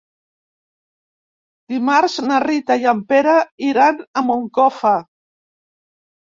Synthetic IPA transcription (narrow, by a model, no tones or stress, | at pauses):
d̪̥imaɾznarit̪ajampeɾaiɾanəmuŋkɔfa